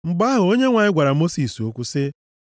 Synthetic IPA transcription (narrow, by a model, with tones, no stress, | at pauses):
ŋ͡m̩˨ɡ͡ba˦ɦʊ˨o˦ɲe˦ŋʷa˨ɲɪ˦ɡʷa˨ɾa˨mo˦si˨so˦kʷu˦sɪ˦